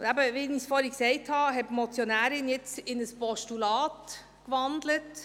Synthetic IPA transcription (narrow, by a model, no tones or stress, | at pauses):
æbəʋɪnisfɔɾɪksɛɪt̪hɑːɦɛbmɔt͡sjɔnæːɾɪnjɛt͡sɪnəspɔʃtulɑːt | ɡ̥əʋɑnd̪lət